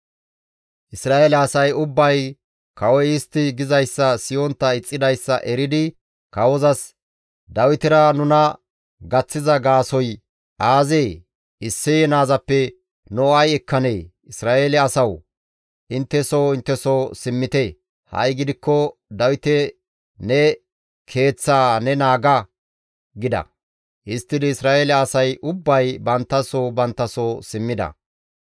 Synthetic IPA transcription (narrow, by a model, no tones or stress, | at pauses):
ʔɪsɾaːelɛɐsɐjʊbːɐj | kɐwɔjɪst̪ːɪɡɪzɐjsːɐsɪjɔnt̪ːɐɪt͡sʼːɪd̪ɐjsːɐ̰ʔɛɾɪd̪ɪ | kɐwɔzɐs | d̪ɐwɪt̪ɪɾɐnʊnɐ | ɡɐt͡sːɪzɐɡaːsɔj | ʔaːzeː | ɪsːɪjnaːzɐpːɛ | nɔɐjɛkʰːɐneː | ɪsɾaːʔeːlɛɐsɐw | ʔɪnt̪ːɛsowɪnt̪ːɛsoːsɪmːɪt̪e | hɐ̰jɡɪd̪ɪkːɔd̪ɐwɪt̪ɛ | nɛ | kʰe̞ːt͡sːaːnɛnaːɡɐ | ɡɪd̪ɐ̰ | ʔɪst̪ːɪd̪ɪɪsɾaːʔeːlɛɐsɐjʔʊbːɐjbɐnt̪ːɐsobɐnt̪ːɐsosɪmːɪd̪ɐ̰